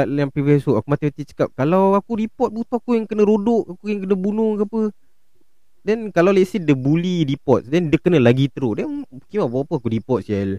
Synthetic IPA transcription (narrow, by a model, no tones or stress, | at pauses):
aʔjaŋpɾivɛsoʔakumat̪imat̪it͡ʃə̥kap̚kalawakuɾipɔt̪̚but̪ɔhakujaŋkənəɾodʊʔakujaŋkənəbunʊŋkapə | dɛnkalawlɛtsidəbuliɾipɔt̪̚dɛndəkənəlaɡit̪əɾudɛnkimabawapəakuɾipɔt̪̚sɛl